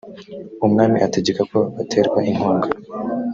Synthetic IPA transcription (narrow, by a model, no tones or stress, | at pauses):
umŋaːmiʔate̞ɟekako̞atʰe̞ːɾɡwaʔiŋhoːŋɡa